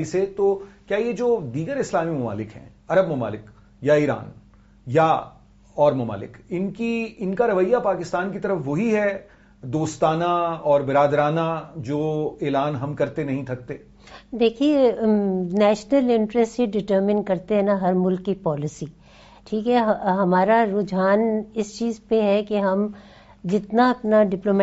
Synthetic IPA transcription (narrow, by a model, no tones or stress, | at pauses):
iset̪oːkjaːjed͡ʒoːd̪iːɡəɾɪslaːmimɐma̰ːlɪkɦɛ̰̃ | ɐɾəbmɐma̰ːlɪk | jaiːɾa̰ːn | ja | ɔːɾmɐma̰ːlɪ̰kɪnkiɪnkaɾɐʋəjːapaːkɪst̪aːnkit̪ɐɾəfʋoɦiɦɛ | d̪oːst̪aːnaɔːɾbɪɾaːd̪ɾaːnad͡ʒoːeːlaːnɦɐmkɐɾt̪enɐɦĩt̪ʰɐk̚t̪eː | d̪eːkʰie | nɛːʃnəlɪ̃ɳʈɾɛsʈiɖɪʈəɾmɪ̃nkɐɾt̪eɦɛ̃naɦɐɾmʊlkːipɔːlɪsi | ʈʰiːkɦɛɦɦɐmaːɾaɾʊd͡ʒaːnɪst͡ʃiːzpeɦɛkeɦɐm | d͡ʒɪt̪naɐpnaɖɪploːmɛ